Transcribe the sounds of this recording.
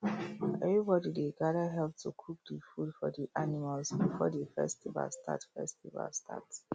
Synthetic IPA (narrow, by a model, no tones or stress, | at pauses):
ʔɛvɹibɔdideɡadəɦɛlp̚tʰukʰuk̚difudfɔdiʔanimalsbifɔ̰defɛ̰stiva̰lstʰa̰tfɛstiva̰lstʰa̰ts